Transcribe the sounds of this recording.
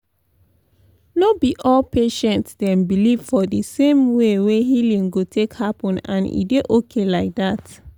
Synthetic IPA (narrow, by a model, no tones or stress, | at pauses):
nobiʔɔlpeʃɛ̃ntsdɛ̃mbiliv̥fɔdəsẽmweweɦilĩŋɡotʰekhapɔ̃nã̰nḭdeʔokʰelaɪk̚dat